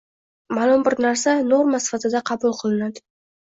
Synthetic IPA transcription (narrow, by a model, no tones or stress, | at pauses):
malˠʊmbɪɾnaɾsanoɾmasɪ̥fat̪ɪd̪aqʰɑbʊlˠqʰɨlˠɪnad̪ɪ